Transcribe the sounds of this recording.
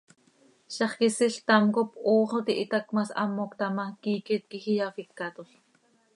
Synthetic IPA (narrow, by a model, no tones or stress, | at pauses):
ʃɑχkisiɬt̪ɑmkopʔoːχot̪iʔit̪ɑkmɑsɑ̰mːokt̪ɑmɑkiːkɛt̪̚kixijɑfikːɑt̪oɬ